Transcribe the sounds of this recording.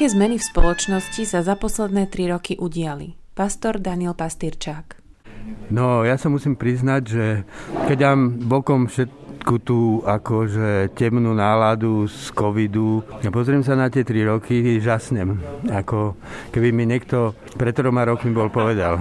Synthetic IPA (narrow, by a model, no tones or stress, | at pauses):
kɛːzmɛnifspɔlɔt͡ʃnɔscisazapɔslɛd̪nɛːt̪ɾiɾɔkiʔuɟɪali | past̪ɔɾd̪anɪɛlpast̪iɾt͡ʃaːk | nɔjasamusiːmpɾiznaɟʒɛkɛɟd̪aːmbɔkɔmfʃɛt̪kut̪uːakɔʒɛcɛmnuːnaːlad̪uskɔʋid̪uapɔzɾimsanat̪ɪɛt̪ɾiɾɔkiʒasɲɛmakɔkɛbimiɲɛkt̪ɔ | pɾɛt̪t̪ːɾɔmaɾɔkmibɔlpɔʋɛd̪a̰l